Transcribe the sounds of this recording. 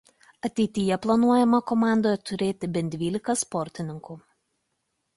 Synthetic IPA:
ɐt̪ʲɛɪt̪ʲɪjɛplˠɐnuɔjɛmɐkɔmɑˑnd̪oːjɛt̪ʊɾʲeːt̪ʲɪbʲɛnʲd̪ʲʋʲiːlʲɪkɐspɔɾʲt̪ʲɪnʲɪŋku

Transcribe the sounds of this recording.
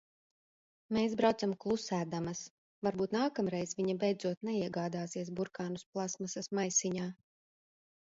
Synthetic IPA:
meːsbɾawt̪samklˠusæːd̪amɐs | vaɾbuːt̪naːkamɾɛjzviɲabɛjd̪zuɔt̪nɛiɛɡaːd̪aːsiɛsbuɾkaːnusplˠasmasasmajsiɲaː

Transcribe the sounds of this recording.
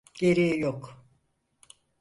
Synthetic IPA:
ɟ̥eɾijɛjok

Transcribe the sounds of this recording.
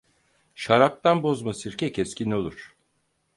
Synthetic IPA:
ʃaɾak̚t̪anbo̞zmasiɾcʰɛcʰɛscʲinʲo̞lˠuɾ̥

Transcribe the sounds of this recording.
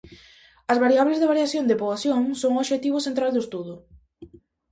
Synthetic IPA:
ɐzβaɾiaβlezðɪβaɾjaθjond̪ɪpoaθjoŋsoŋoʃet̪iβʊsent̪ɾald̪ʊest̪uðʊ

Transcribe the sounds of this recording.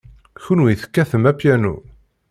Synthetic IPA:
çunwiθə̥kːæθəmæpjænṵ

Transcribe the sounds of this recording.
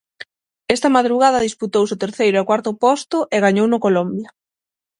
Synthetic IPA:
ɛst̪ɐmaðɾuɣaðɐðisput̪owsʊt̪eɾθejɾʊakwaɾt̪ʊpɔst̪ʊʔeɣaɲownʊkolombjɐ

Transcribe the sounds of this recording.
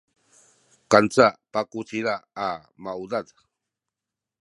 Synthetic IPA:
kant͡sapakut͡siɾaːmawdad

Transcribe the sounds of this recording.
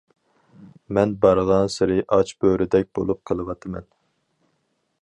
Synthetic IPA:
mɛnbɑɾʁɑnsɨɾɨʔɑt͡ʃbøɾɪd̪ɛk̚ʲb̥o̰lˠup̚qʰəlˠɨwɑt̪ʰɨmɛ̰n

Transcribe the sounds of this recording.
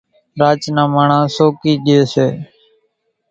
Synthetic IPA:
ɾaːt͡ʃnãːmaːɳãːsoːkiːɗɪjoːseː

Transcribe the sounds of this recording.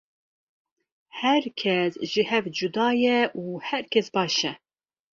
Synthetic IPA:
hɛɾkʲʰɛsʒɨhɛvd͡ʒud̪ɑːjɛʔuːhɛɾkʰɛsbɑːʃɛ

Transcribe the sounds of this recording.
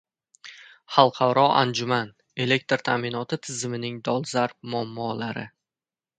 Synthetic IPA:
χɑlˠqʰɑwɾɒa̰nd͡ʒʊman | e̞le̞k̚ʲt̪ɾt̪ʰamɪnɒt̪ʰɪt̪ʰɪzɪmɪnɪŋd̪ɒlˠzaɾp̚mʊamːɒlaɾɪ̰

